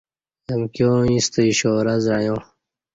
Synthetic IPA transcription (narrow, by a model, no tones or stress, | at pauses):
jɐmkjõːĩst̪əiɕoːɾazɾajõ